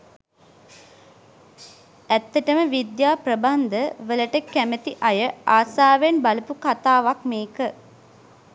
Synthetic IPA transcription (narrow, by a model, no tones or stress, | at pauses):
æt̪ːəʈəməʋid̪jaːprəband̪əʋələʈəkæmət̪iʔajəaːsaːʋenbaləpukat̪aːʋakmeːkə